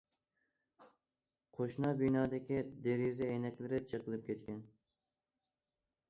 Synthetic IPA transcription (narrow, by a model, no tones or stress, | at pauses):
qʰoʃnɑbinɑːd̪ɪkʲid̪eɾizɪejnɛkʲlɪɾɪt͡ʃʰəqəlˠɨp̚kʲʰet̪kʲɛn